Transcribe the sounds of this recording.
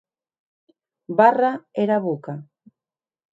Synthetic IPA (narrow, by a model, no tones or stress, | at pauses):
baraeɾaβuka